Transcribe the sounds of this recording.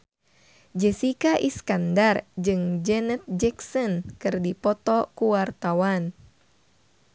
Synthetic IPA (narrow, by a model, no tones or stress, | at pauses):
d͡ʒɛsikaʔiskandard͡ʒɨŋd͡ʒɛnɛt̪̚d͡ʒɛksɔnkɨrdipɔt̪ɔkuwart̪awan